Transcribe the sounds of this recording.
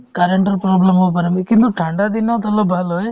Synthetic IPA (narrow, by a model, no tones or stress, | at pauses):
kaɾeɳʈɐɾpɾoblɐmopɐɾɐmikint̪uʈʰɐɳɖad̪inat̪ɐlobʱɐloe